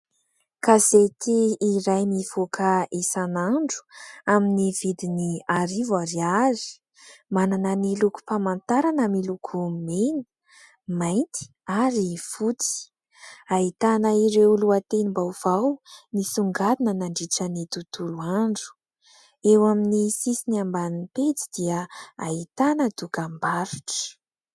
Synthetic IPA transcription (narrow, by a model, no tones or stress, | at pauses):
kazet̪iːɾajmiv̥okəisanaɳɖ͡ʐu̥aminivid̪iniaɾivaɾiazi̥ | mananəniluku̥pamant̪aɾanəmilukʰumeni̥ | majnt̪i̥ | aɾifut͡si̥ | ait̪anəiɾewluat̪enimbawv̥awnisuŋɡalinənaɳɖ͡ʐiʈ͡ʂənit̪ut̪uluaɳɖ͡ʐu̥ | ewaminisisiniambaninipet͡si̥d̪̥iəait̪anəd̪̥ukambaɾuʈ͡ʂə̥